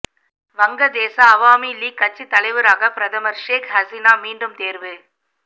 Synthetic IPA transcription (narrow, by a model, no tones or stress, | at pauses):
ʋɐŋɡɐd̪eːsɐːʋaːmiliːkːɐʈ̚t͡ʃːit̪ːɐɭɐɪʋɯɾaːɣɐpɪɾɐðɐmɐɾʂeːkɦɐsinaːmiːɳɖɯmt̪eːɾʋɯ